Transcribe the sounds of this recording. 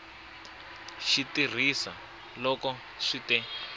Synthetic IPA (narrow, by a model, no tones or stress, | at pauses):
ʃitir̤isa | lɔkɔ | ʂitɛ